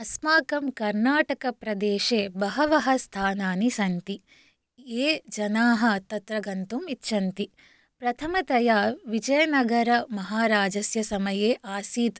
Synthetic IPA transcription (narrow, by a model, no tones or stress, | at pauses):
ɐsmaːkɐmkɐɾnaːʈɐkɐpɾɐd̪eːʃeːbɐɦɐʋɐɦɐst̪ʰaːnaːnisɐnt̪i | eːd͡ʒɐnaːɦɐ̆t̪ɐt̪ɾɐɡɐnt̪umit̪ːʃʰɐnt̪i | pɾɐt̪ʰɐmɐt̪ɐjaːʋid͡ʒɐjɐnɐɡɐɾɐmɐɦaːɾaːd͡ʒɐsjɐsɐmɐjeːʔaːsiːt̪